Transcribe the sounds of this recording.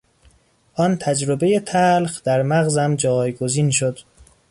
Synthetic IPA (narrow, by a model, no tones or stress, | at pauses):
ʔɒːnt̪ʰæd͡ʒɾobe̞je̞t̪ʰælxd̪̥æɾmæɣzæmd͡ʒɒːjɡoziːnʃod̪̥